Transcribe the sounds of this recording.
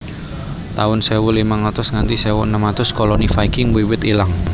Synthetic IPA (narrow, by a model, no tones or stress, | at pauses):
t̪aʊnsɛwulimaŋat̪ʊsŋant̪isɛwʊənəmat̪ʊskɔlɔnifaikɪŋwiwɪt̪ilaŋ